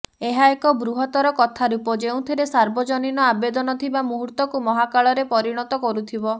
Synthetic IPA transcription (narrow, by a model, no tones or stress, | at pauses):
eɦaekɔbɾuɦɔt̪ɔɾɔkɔt̪ʰaɾupɔd͡ʒeũt̪ʰiɾesaɾbɔd͡ʒɔninɔabed̪ɔnɔt̪ʰibamuɦuɾt̪ɔkumɔɦakaɭɔɾepɔɾiɽ̃ɔt̪ɔkɔɾut̪ʰibɔ